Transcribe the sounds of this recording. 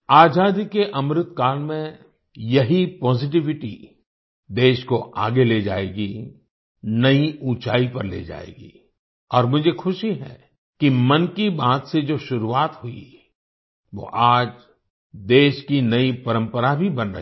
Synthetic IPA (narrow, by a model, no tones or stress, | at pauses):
aːzaːd̪ikeʔɐmɾɪt̪kaːlmẽ | jɐɦipɔːzɪʈ̬ɪʋɪʈḭ | d̪eːʃkoʔa̰ːɡeleːd͡ʒa̰ːeːɡi | nɐiuːt͡ʃaːipɐɾlḛːd͡ʒa̰ːḛːɡḭː | ɔːɾmʊd͡ʒʱexʊʃiɦɛ̰ | kimɐnkibaːt̪sed͡ʒoːʃʊɾuaːt̪ɦʊḭ | ʋo̰ʔaːd͡ʒ | d̪eːʃkinɐipɐɾə̃mpəɾabʱibɐnɾɐ̰